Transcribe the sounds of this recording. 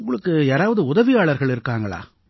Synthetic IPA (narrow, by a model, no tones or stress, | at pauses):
ŋɡɐɭɯkːɯjaːɾaːʋɐðɯʊðɐʋɪjaːɭɐɾɣɐɭɪɾɯkːaːŋɡɐɭa̰ː